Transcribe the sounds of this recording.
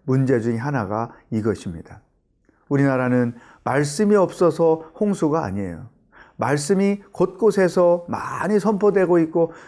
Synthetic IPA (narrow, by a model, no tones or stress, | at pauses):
mund͡ʑe̞d͡ʑuŋeɦanaɡaiɡʌɕʰimɲid̥a | uɾinaɾanɯn | maɭs͈ɯmiʌp̚s͈ʌsʰʌhoŋsʰuɡa̰ːɲḛjo̰ | maɭs͈ɯmikʌt̚k͈osʰe̞sʰʌma̰ɲisʰʌmpʰodwe̞ɡoit̚k͈o